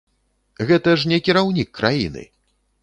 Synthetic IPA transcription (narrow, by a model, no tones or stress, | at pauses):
ɣɛt̪ɐʂnʲɛkʲiɾawnʲikːɾʔajḭnɨ̰